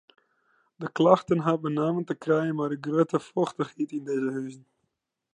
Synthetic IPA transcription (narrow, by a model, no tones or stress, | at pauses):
dəklɑxtənɦabənaːməntəkrɛjənmaːdəɡrøtəfɔxtəχitɪndeːzəɦœzən